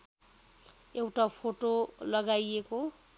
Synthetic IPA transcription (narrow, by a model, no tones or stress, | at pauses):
ewʈapʰoʈolʌɡajeko